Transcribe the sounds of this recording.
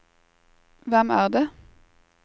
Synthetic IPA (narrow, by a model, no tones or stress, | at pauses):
ʋɛmæːʁd̪eː